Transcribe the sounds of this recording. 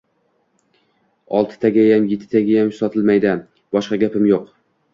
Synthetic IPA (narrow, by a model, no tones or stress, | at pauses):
ɒlˠt̪ʰɪ̥t̪ʰaɡʲajamjet̪ʰːɪ̥t̪ʰaɡʲajamsɒt̪ʰɪlˠmajd̪ɪ | bɒʃqɑɡʲapɪmjoq